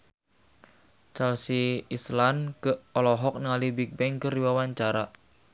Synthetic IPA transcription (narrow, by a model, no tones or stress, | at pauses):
t͡ʃɛlsiːslankəʔɔlɔɦɔk̚nəŋalibik̚bɛŋkərdiwawaɲt͡ʃaɾa